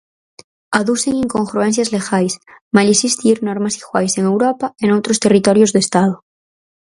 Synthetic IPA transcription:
aðuseŋĩŋkoŋxɾuenθ̬jazlexajsmalisist̪iɾnoɾmasiɣwajseŋe̞wɾopaenowt̪ɾost̪erit̪oɾjozðest̪aðo

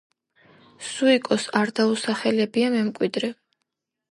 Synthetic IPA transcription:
suikʼɔsaɾd̪ausaχɛlɛbiamɛmkʼwid̪ɾɛ

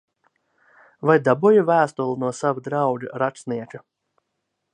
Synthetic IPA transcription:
vajd̪abujuvæːst̪ulˠunuɔsavud̪ɾawd͡ʒa̰ɾat͡ʃsniɛt͡ʃa

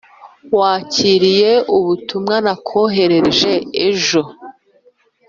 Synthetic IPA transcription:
waːciɾijeuβutumŋanakʰo̞ːɦe̞ɾe̞ʒe̞eʒo̞

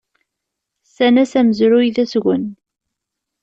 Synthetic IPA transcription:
sænæsæməzɾʊjðæsɣən

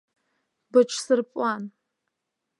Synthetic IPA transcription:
bɨt͡ʃʰsɨrpʼan

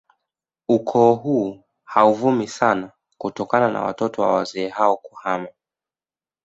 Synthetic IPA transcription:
ukʰɔːɦuː | hauvumisana | kutɔkanana̰wa̰tɔtɔwa̰wa̰zɛːɦaɔku̥hama

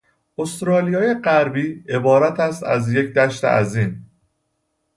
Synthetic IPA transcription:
ost̪ɾɒːlijɒːje̞ɢæɾbiːe̞bɒːɾæt̪ʰæst̪æ̰zje̞cd̪æʃt̪ḛʔæ̰ziːn

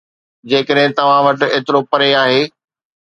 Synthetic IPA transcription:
d͡ʑeːkəɗɦɪ̃t̪ɐʋ̤ãʋɐʈeːt̪ɪɾopɐɾeaːɦeː

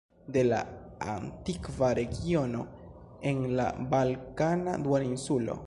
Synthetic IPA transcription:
de̞la̰ | a̰ntikvaɾe̞ɡio̞no̞ | e̞nla̰balkana̰duainsulo̞̰

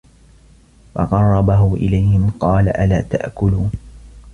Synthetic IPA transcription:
fɑ̰qɑrˤːɑbaɦʊʔɪ̰lajhɪmqɑːlaʔalaːt̪a̰ʔkʊluːn

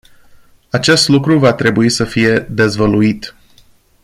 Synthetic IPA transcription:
at͡ʃe̞st̪lukɾuvat̪ɾe̞buisəfije̞d̪e̞zvəluit̪

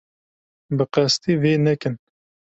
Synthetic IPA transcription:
bɨqæst̪iːveːnɛkɨn

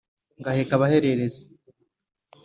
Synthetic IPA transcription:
ŋɡahekaβaheɾeɾeze̥

